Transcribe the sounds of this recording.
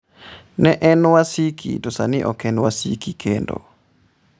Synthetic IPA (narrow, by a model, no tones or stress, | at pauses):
nɛʔɛnwasikʰḭdosanɪʔɔkɛnwasikikʰendo̰